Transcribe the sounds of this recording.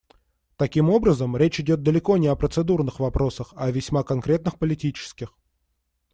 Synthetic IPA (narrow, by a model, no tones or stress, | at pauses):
t̪ɐkʲimo̞bɾəzəmɾʲet͡ɕɪdʲo̞t̪̚d̪əlʲɪko̞nʲɪɐpɾət̪sɨd̪urnɨxvɐpɾo̞səxɐvʲɪsʲmakɐnkɾʲe̞t̪nɨxpəlʲɪtʲit͡ɕɪ̥skʲɪx